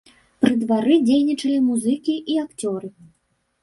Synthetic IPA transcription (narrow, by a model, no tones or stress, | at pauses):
pɾɨd̪vaɾɨd͡zʲejnʲit͡ʂɐlʲimuzɨkʲiʔiakt͡sʲɔɾɨ